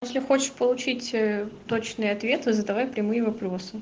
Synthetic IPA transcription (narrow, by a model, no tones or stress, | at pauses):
ɛsʲlʲɪxo̞t͡ɕɪ̥ʂpəlˠʊt͡ɕitʲət̪o̞t͡ɕnɨjɐt̪vʲe̞t̪ɨzəd̪ɐvajpɾʲɪmɨjɪvɐpɾo̞sɨ